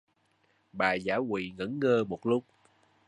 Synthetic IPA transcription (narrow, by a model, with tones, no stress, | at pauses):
ɓaː˨˩za̰ː˧˥kwḭ˧˨ŋə̰˧˥nŋəː˧mo˨˩t̚lʊ˦˥k͡p̚